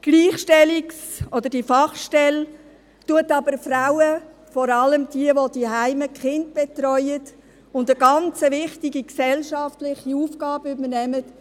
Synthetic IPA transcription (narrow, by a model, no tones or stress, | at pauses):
ɡ̥liːχʃtɛliksɔdəɾd̥ifɑχʃtɛl | tuətɑbəɾfɾaʊə | fɔɾɑləmdiəʋod̥iɦæɪməkχɪnt̚b̥ɛtrɔʏət | ʊndəɡɑnt͡səvɪχtiɡiksɛlʃɑftlɪχiuːfɡɑːbəʏbərnɛmət